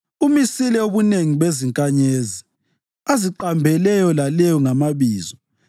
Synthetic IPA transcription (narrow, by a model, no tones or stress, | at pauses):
umisilɛoβuneŋiβeziŋkʼaɲeːzi | aziǃambʱɛlɛjɔlalɛjɔŋamaβiːzɔ